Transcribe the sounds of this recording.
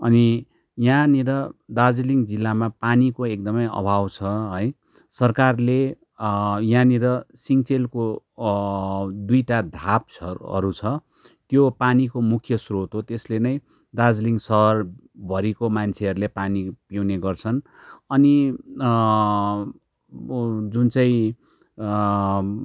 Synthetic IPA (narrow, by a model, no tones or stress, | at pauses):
ʌ̰ni | jãniɾʌd̪ad͡zliŋd͡zilːamapanikoek̚d̪ʌmʌjʌ̰bʱawt͡sʰʌɦʌj | sʌrkarle | jãniɾʌsiŋt͡selko | d̪ujʈad̪ʱapʌ̰ɾut͡sʰʌ | t̪jopanikomukʰjʌsrot̪ɦot̪eslenʌj | d̪ad͡zliŋsʌɦʌr | bʱʌɾikomant͡sʰeɦʌɾulepanipjawneɡʌrt͡sʰʌn | ʌni | d͡zunt͡saĩ